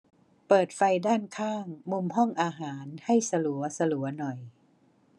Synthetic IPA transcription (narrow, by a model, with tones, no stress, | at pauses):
pɤː˨˩t̪̚fa˧jdaː˥˩nkʰaː˥˩ŋmu˧mɦɔ˥˩ŋʔaː˧ɦaː˩˦nha˥˩jsa˧lu˩˦ɐsa˧lu˩˦ɐnɔ˨˩j